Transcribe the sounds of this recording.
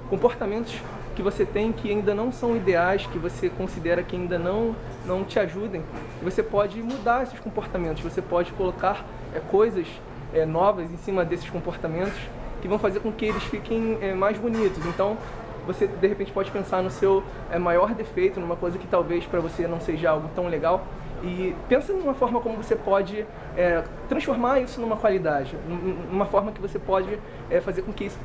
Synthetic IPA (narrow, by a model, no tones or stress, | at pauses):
kõpoɾt̪amẽnt̪ʊ̥s | kɪvoset̪ẽj̃kʰɪaĩnd̪ɐnɐ̃w̃sɐ̃w̃id̪eajskɪvosekõsid̪ɛɾɐkɪaĩnd̪ɐnɐ̃w̃ | nɐ̃w̃t͡ʃɪaʒud̪ẽj̃ | kɪvosepɔd͡ʒɪmud̪aɾesɪʃkõpoɾt̪amẽt̪ʊʃvosepɔd͡ʒɪkolokaɾ | ɛkojzɐʃ | ɛnɔvɐzẽj̃sĩmɐd̪esɪ̥ʃkõpoɾt̪amẽnt̪ʊ̥ʃ | kɪvɐ̃w̃fazeɾkõkɪelɪʃfikẽj̃ɛmajzbunit̪ʊsẽnt̪ɐ̃w̃ | vosed̪eɦepẽnt͡ʃɪpɔd͡ʒɪpẽsaɾnʊsew | ɛmajɔɾd̪efejt̪ʊnũmɐkojzɐkɪ̥t̪awvejspɾɐvosenɐ̃w̃seʒɐawɡʊt̪ɐ̃w̃leɡaw | ɪpẽsɐnũmɐfɔɾmɐkõmʊvosepɔd͡ʒɪ | ɛ | t̪ɾɐ̃sfoɾmaɾisʊnũmɐkwalid̪ad͡ʒɪnunũmɐfɔɾmɐkɪvosepɔd͡ʒɪ | ɛfazeɾkõkɪisʊ̥